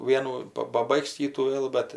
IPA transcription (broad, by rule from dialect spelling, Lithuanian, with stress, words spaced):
ˈʋʲiɛnuː ˈpɐ pɐˈbɐɪks ˈkʲiːtuː ˈʋʲeːlˠ bʲɛt